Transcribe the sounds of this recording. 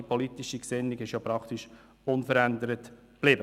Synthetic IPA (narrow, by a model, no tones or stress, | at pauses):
ipʰɔlit̪iʃiksɪnːɪɡɪʃjopɾɑkt̪iʃ | ʊnfəɾænd̪əɾət̪ | b̥lɪːbə